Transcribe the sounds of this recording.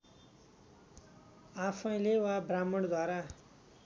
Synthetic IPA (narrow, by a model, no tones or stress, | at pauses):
apʰʌj̃lewabramʌɽd̪ʱwaɾa